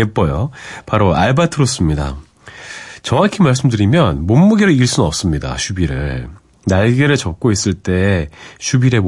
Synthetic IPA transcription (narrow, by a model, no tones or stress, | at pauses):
ep͈ʌjopaɾoaɭbatʰɯɾos͈ɯmɲida̰ | t͡ɕʌŋwakʰimaɭs̬͈ɯmdɯɾimjʌnmomːuɡiɾɯiɭs͈unnʌp̚s͈ɯmɲida̰ɕʰubiɾɯɭ | naɭɡeɾɯɭt͡ɕʌpk̚k͈ois͈ɯɭt͈e̞ɕʰubiɾe̞